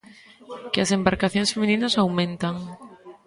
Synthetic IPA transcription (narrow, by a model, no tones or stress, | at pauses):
kɪɐsembaɾkaθjõŋsfemĩninɐsawmẽnt̪aŋ